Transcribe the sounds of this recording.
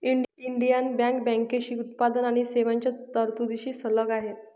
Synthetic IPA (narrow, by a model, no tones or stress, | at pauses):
iɳɖiɳɖijanbɛ̃ŋkbɛ̃ŋkeɕiːut̪̚pad̪ənaɽ̃iseʋaɲt͡ɕat̪əɾt̪ud̪iɕiːsələɡaɦe